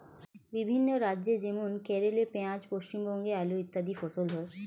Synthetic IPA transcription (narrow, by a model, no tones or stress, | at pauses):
bibʱinːoɾadːʑed͡ʑemunkeɾelepeãd͡ʑpoʃt͡ɕimbɔŋɡealoit̪ːad̪ifosolɦɔe